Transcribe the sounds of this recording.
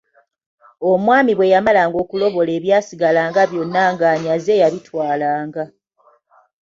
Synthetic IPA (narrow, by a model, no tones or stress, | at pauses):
omwaːmiβwe̞jamalaːŋɡo̞ːkulo̞βo̞le̞ːβjaːsiɡalaːŋɡaβjo̞nːaŋɡaːɲaze̞jaβitwaːlaːŋɡa